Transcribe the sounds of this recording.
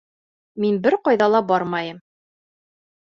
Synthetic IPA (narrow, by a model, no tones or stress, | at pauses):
minbɘɾqɑjðɑlˠɑbɒɾmɑjɤm